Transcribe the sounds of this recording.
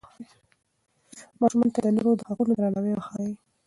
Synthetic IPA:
mɑʃmant̪ad̪ənoɾod̪əhaqunod̪ɾanawejaxɑwi

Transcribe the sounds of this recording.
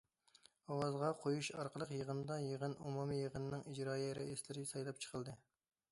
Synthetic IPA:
ɑwɑzʁɑqʰojuʃɑɾqʰəlˠəqjəʁənɨd̪ɑjeʁənumumijəʁənɨnɨŋid͡ʒɾɑːjiɾɛ̰islɪɾɪsɑjlˠɑp̚t͡ʃʰə̥qʰəlˠd̪ɨ

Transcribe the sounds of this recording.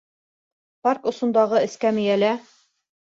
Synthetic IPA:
pɑrkŏsŏnd̪ɑʁɤɘ̆skæmɘ̆jælæ

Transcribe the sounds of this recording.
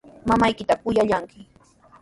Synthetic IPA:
mamajkɪt̪akʊjaʎaŋkɪ

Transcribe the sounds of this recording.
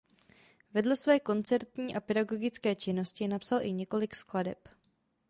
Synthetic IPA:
vɛdlɛsvɛːko̞nt͡sɛɾt̪ɲiːʔapɛdaɡo̞ɡɪt͡skɛːt͡ʃɪno̞scɪnapsalʔɪɲɛko̞lɪkskladɛ̰p

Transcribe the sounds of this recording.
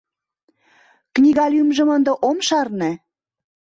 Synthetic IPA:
knʲiɣɑlʲymʒə̆mənd̪əʔomʃɑrnĕ

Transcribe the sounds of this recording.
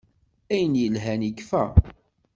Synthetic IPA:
æjənjəlɦænikfæ̰

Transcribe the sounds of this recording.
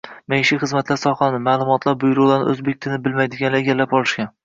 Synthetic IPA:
mejʃɪχɨzmat̪ʰlaɾsɒχanɪmaːlˠʊmɒt̪ʰlaɾbʊjɾʊlˠaɾnɪ̰ɵzbek̚ʲt̪ʰɪlnɪbɪlmajd̪ɪɡʲanlaeɡʲalːapɒlˠɪʃkʲan

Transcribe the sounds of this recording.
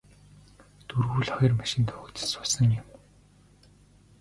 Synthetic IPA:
t̪urɣuːɮχɔjɞ̆rmaʃɪ̆nt̪ʰʊɣ̆ːkt̪sʊsə̆ŋjʊm

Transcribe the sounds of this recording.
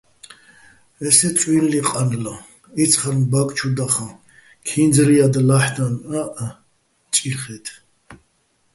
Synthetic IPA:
ɛsɛt͡sʼwinliqʼanla | it̪t͡sʰχaɾnbakʼt͡ʃʰud̪aχã | kʰind͡zɾiad̪laħd̪anaʔ | t͡ʃʼiɾχɛt̪ʰ

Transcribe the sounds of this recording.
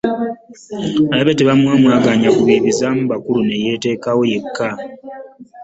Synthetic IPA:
alaβeteβamwaːmwaːɡaːɲakuβiːβizamuβakulune̞je̞te̞ːkawo̞je̞kʰːa

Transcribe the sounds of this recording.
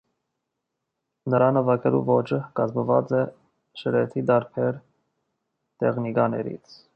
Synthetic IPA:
nəɾɑnəvɑkʰɛlṵvɔt͡ʃʰəkɑzməvɑ̰t͡sɛ | ʃəɾɛt̪ʰid̪ɑɾpʰɛɾ | t̪ɛ̰χnikɑnɛ̰ɾḭt͡sʰ

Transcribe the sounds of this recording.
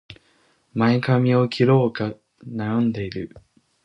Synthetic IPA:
maekamʲio̞kʲʰiɾo̞ːka | najõnd̪e̞iɾɯ̟

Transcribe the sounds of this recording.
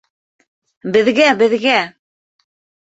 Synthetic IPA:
bɘ̆ðɡæbɘ̆ðɡæ

